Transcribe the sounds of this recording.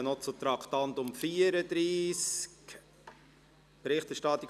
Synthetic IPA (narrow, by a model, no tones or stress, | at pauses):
nɔt͡sut̪ɾɑkʰt̪ɑnt̪ʊmfiəɾəd̪ɾiːsk | b̥ɾɪχt̪ɛɾʃtɑt̪ːik